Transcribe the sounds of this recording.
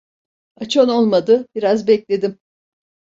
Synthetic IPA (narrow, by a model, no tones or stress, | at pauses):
at͡ʃʰono̞lˠmad̪ɯb̥iɾazbɛclʲe̞d̪im